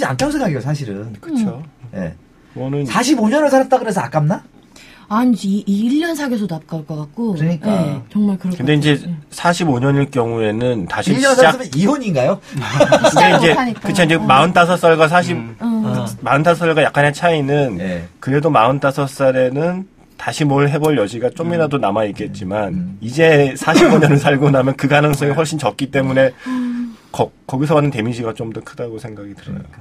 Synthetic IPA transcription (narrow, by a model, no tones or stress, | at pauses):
ia̰nkʰamsʰeŋɡaɡios̬ʰaɕ̬ʰiɾɯnkɯt͡ɕʰojḛ | ʌnɯnsaɕ̬ʰiboɲʌnɯɭsʰanat̚t͈aɡɯɾes̬ʰʌak͈amna | aiɲd͡ʑiʎːʌnsʰaɡes̬ʰonap̚k͈aɭk͈ʌkak̚k͈osɯɲik͈at͡ɕʌŋmaɭkɯɾʌkɯnde̞ind͡ʑe̞sʰaɕʰiboɲʌɲiɭk͈jʌŋue̞nɯntaɕʰiʌnat͡ɕasɯmiɦoɲinɡajo | ɯndeind͡ʑe̞aɲikɯt͡ɕʰiind͡ʑemaɯnt͈ʰasʰʌs͈ʌɭɡwas̬ʰaɕ̬ʰip̚ | maɯntʰasʌʌɭɡwajak͈anɦet͡ɕʰainɯnkɯɾe̞domaɯnt͈ʰasʰʌs͈aɾe̞nɯn | taɕʰimʌɯɭɦe̞bʌɭjʌd͡ʑiɡat͡ɕ͈omiɾadonamaik͈e̞t̚t͡ɕ͈imanid͡ʑe̞sʰaɕʰipːʌɲʌnɯɭs̬ʰaɭɡonamjʌnkɯɡanɯŋs͈ʌŋihɸoɭɕ͈int͡ɕʌp̚k͈it͈e̞mune̞ | kʌkʌɡisʰʌbanːɯnte̞miɕʰiɡat͡ɕ͈omdʌkʰɯdaɡosʰe̞ŋɡaɡitɯɾʌa̰jo